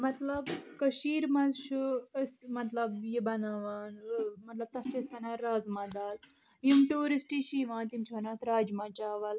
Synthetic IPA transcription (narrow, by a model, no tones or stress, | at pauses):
mɐt̪lɐbkɐʃiːɾmɐzt͡ʃʰuɐsmɐt̪lɐbjibɐnaːʋaːnmɐt̪lɐb̚t̪ɐɦt͡ʃʰɐsɐnaːɾaːzmɐ̃d̪aːl | jimʈuːɾisʈiːʃiːʋãːnt̪imt͡ʃʰibɐnaːt̪ɾaːd͡ʒmãːt͡ʃaːʋɐl